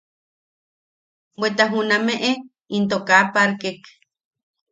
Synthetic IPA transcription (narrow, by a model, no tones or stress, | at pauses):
wet̪aɦunameʔe | int̪̬okapaɾkek